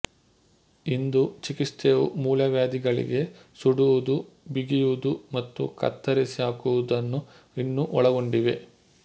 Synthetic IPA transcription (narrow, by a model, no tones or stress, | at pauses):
ind̪ut͡ʃikist̪eʋṵmuːlɐʋjaːd̪iɡɐɭḭɡe̞ | suɽuʋud̪u | biɡijuud̪umɐt̪ːṵkɐ̰t̪ːɐɾisiɦaːkuʋud̪ɐnːu | inːuʔɔɭɐɡo̞ɳɖiʋe̞